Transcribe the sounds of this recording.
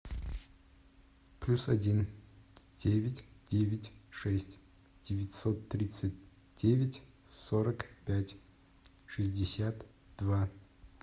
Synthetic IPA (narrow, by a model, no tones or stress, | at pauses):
plʲusɐdʲin | d̥ʲevʲɪtʲdʲevʲɪtʲʂɛsʲtʲ | d̥ʲɪvʲɪtʲsot̪ːɾʲit̪sɨtʲ | d̥ʲevʲɪtʲ | soɾəkpʲætʲ | ʂɨzʲdʲɪsʲat̪ | d̪̥va